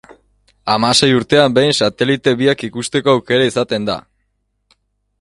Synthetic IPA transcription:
amase̞juɾt̪e̞ambe̞jnsat̪e̞lit̪e̞βiakikust̪e̞ko̞awke̞ɾaisat̪e̞nd̪a̰

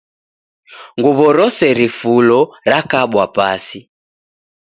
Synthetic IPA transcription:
ŋɡuβɔɾɔsɛɾifulɔɾakaɓwapasi

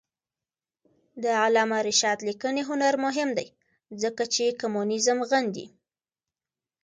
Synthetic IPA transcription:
d̪əalɑmaɾɪʃɑd̪likəneɦʊnaɾmʊɦɪmd̪aj | zəkat͡ʃekamunɪzəmɣand̪ḭ

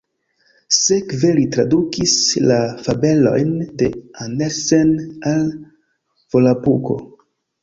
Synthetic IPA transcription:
sekvelitɾadukislafabe̞lo̞̰jnde̞anesenal | v̥olapuko̞̰

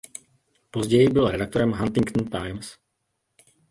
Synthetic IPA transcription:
po̞zɟɛjɪbɪlɾɛdak̚t̪oɾɛmɦant̪ɪŋkt̪n̩t̪ajms

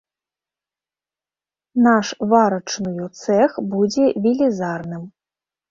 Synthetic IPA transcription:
naʂvaɾɐt͡ʂnɨjɔt̪sɛxbud͡zʲɛvʲilʲizarnɨm

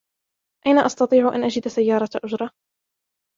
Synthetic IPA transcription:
ʔajnaʔɑst̪ɑt̪ˤiːʕʊʔa̰nʔad͡ʒɪd̪sajːɑːɾˤɑʔʊd͡ʒɾˤɑ

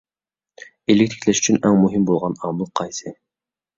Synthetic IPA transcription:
ilːik̚ʲt̪ʰi̥kʲʰlʲɛʃy̥t͡ʃʰynæŋmuɦimbolˠʁɑnɑmɨlˠqʰɑjsɨ

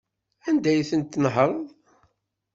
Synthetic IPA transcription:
ænd̪æjθənt̪ːnɦəɾˤ

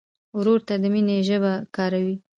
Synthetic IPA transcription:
wɾoɾt̪ad̪əmineʒəbakɑɾawi

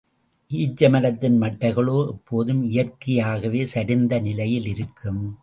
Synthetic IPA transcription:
ʔiːd͡ʒɐmɐɾɐt̪ːɪnmɐʈːɐɪɣɐɭoːʔɛpʰːoːðɯmɪjɐrkɪjaːɣɐʋeːsɐɾɪnd̪ɐnɪlɐjɪlɪɾɯkʰːɯm

